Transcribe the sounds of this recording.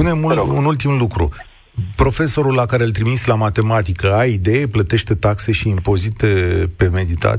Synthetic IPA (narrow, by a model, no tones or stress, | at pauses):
pune̞muunult̪imlukɾṵ | pɾo̞fe̞so̞ɾulːakaɾelt̪ɾimislamat̪e̞mat̪ikəaid̪e̞jeplət̪e̞ʃt̪e̞t̪akse̞ʃiːmpo̞zit̪epe̞me̞d̪it̪a̰